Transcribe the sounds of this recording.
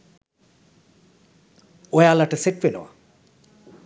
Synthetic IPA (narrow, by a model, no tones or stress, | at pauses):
ojaːlaʈəseʈ̚ʋeno̰ʋa̰